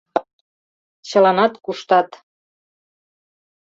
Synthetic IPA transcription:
t͡ɕɤ̆lɑnɑt̪kuʃt̪ɑt̪

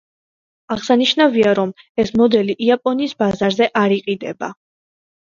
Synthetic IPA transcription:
aʁsaniʃnaviaɾɔm | ɛsmɔd̪ɛliʔiapʼɔniːsbazaɾzɛʔaɾiqʼid̪ɛba̰

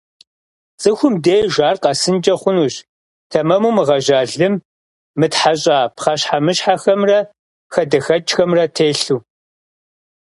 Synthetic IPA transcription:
t͡sʼɨxʷʊmdeːʒaːrqɑsɨnd͡ʒʼɐχʷʊnuːɕ | tʰɐmɐmumɨʁɐʒaːɮɨmː | ɨtħaɕʼaːpχɐɕħamɨɕħaxɐmrɐ | xɐdɐxɐt͡ʃxɐmrɐtʰeːɬuː

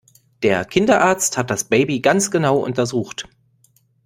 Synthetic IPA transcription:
d̥eːɐkʰɪndɐʔaːɐt͡sthat̚d̥asb̥eɪbiɡant͡sɡ̥ənaʊʔʊ̰ntɐzuːxt

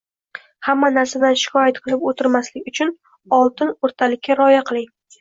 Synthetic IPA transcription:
hamːanaɾsad̪anʃɪ̥kʰɒjat̪̚qʰɨlˠɪpot̪ʰɪɾmaslɪkʲʊt͡ʃʰʊn | ɒlˠt̪ʰɪnoɾt̪ʰalɪkʲːaɾɒjaqʰɨlˠɪŋ

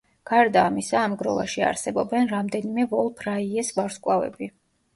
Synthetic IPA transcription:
ɡ̥aɾd̪aːmisaːmɡɾɔ̰va̰ʃia̰ɾsɛbɔbɛnɾamd̪ɛnimɛvɔlˠpʰɾaiɛsvaɾskʼwavɛ̰bi

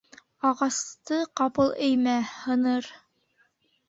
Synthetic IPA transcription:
ɑʁɑst̪ɤqɑpɤlˠɘjmæhɤ̆nɤɾ

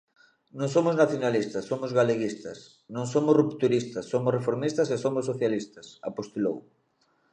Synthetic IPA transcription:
nõŋs̬omʊznaθjonalist̪ɐsomʊzɣaleɣist̪ɐs | nõŋsomʊsrupt̪uɾist̪ɐsːomʊsrefoɾmist̪ɐsesomʊsːoθjalist̪ɐsa̰post̪elo̰w

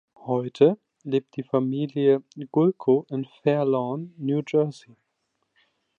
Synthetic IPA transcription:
hɔʏtʰə | leːp̚t̚d̥iːfamiːlijəɡ̥ʊlkʰoʔɪnfɛɐlɔnːjuːd͡ʒɜɐzi

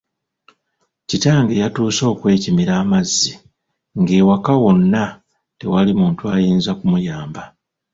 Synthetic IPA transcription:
citaːŋɡe̞jatuːso̞ːkwe̞ːcimiɾaːmazːi | ŋɡe̞ːwakawo̞nːa | te̞̰walimuːntuajiːnzakumujaːmba

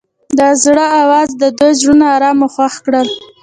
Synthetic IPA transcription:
d̪əzɽəawɑzd̪əd̪ojzɽunaaɾɑmoxwaxkɽəl

